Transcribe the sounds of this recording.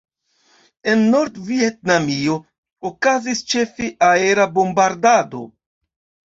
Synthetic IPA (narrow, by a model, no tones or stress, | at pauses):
e̞nːo̞ɾdviet̚namio̞ | okazist͡ʃe̞fiʔae̞ɾabo̞mbaɾdado̞̰